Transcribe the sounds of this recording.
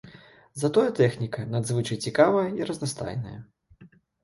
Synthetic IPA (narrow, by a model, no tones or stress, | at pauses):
zɐt̪ɔjɐt̪ɛxnʲikɐnad̪zvɨt͡ʂɐjt͡sʲikavɐjɐiɾɐznast̪a̰jnɐ̰jɐ̰